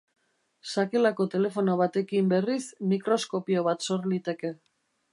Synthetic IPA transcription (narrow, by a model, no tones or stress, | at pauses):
sake̞lako̞t̪e̞le̞fo̞noβat̪e̞kimbe̞rismikɾo̞sko̞pioβ̞at̪so̞ɾlit̪e̞ke̞